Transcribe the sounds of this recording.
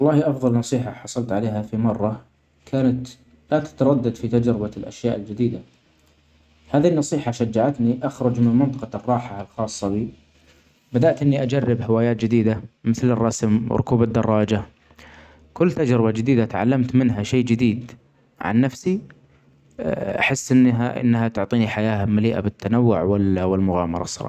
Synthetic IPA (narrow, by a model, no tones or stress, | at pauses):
wɑlˤːɑːhiʔɑfðˤɑlnɑsˤiːħaħɑsˤɑlt̪ʕaleːɦafimɑrˤːɑ | kʰaːnat̪ | lat̪ḁt̪ɑɾˤɑd̪ːad̪fit̪ad͡ʒɾɪbalʔa̰ʃjaːʔɪld͡ʒɪd̪iːd̪a | haːðinːɑsˤiːħaʃad͡ʒːaʕat̪niʔaxɾˤʊd͡ʒmɪnmɪnt̪ɑqɑrˤːɑːħalxɑːsˤːɑbiː | bad̪aʔt̪ʔɪnːiʔad͡ʒarːɪbhɪwaːjaːt̪̚d͡ʒɪd̪iːd̪amɪθlɪrˤːɑsmw̰ɾˤʊ̰kuːbad̪ːɑrˤːɑːd͡ʒa | kʊlːt̪ad͡ʒɾɪbad͡ʒɪd̪iːd̪at̪ʕa̰lːamt̪mɪnɦaʃeːd͡ʒɪd̪iːd̪ | ʕa̰nːafsi | ʔa̰ħɪsːʔɪnːaʔɪ̰nːhat̪ʊʕt̪ˤiːniħajaːhalmaliːʔa̰bɪt̪ːanawːʊ̰ʕwɪwɪlmʊɣa̰ːmɑ̰ɾˤɑ̰sˤːɑ̰ˤɑ̰ː